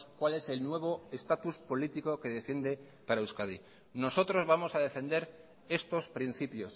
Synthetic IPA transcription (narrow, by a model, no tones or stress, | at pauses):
kwale̞se̞lnwe̞β̞o̞est̪at̪uspo̞lit̪iko̞ke̞ð̞e̞fje̞nd̪e̞ | paɾaewskað̞i | no̞so̞t̪ɾo̞zβamo̞sað̞e̞fe̞nd̪e̞ɾ | e̞st̪o̞spɾin̟θipjo̞s